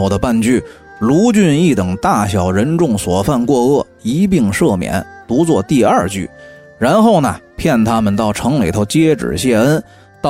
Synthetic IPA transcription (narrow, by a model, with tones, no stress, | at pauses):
o˧˩ʊd̪ə˧pa˥˧nt͡ɕy˥˩ | lu˧˥t͡ɕy˥˧ni˥˩t̪ɤ˨˩ŋt̪a˥˩ɕjɑ˨˩ʊɻə˧˥nʈ͡ʂʊ˥˩ŋswɔ˨˩fa˥˧nkwɔ˥˧ɤ˥˩ | i˧˥p̬i˥˧ŋʂɤ˥˩mjɛ̰˧˥nt̪u˧˥t͡swɔ˥˧t̪i˥˧ɐ˞˥˧t͡ɕy̰˥˩ | ɻa˧˥nxo˥˩ʊnə˩pʰjɛ˥˩nt̪ʰa˥mə˨nt̪ɑ˥˩ʊʈ͡ʂʰɤ˧˥ŋli˨˩t̪ʰo˥˧ʊt͡ɕjɛ˥ʈ͡ʂɻ̩̰˨˩ɕjɛ˥˧ə˥n | t̪ɑ˥˩